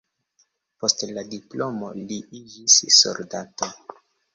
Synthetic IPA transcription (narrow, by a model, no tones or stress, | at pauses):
po̞stladiplo̞moliid͡ʒisːo̰ldato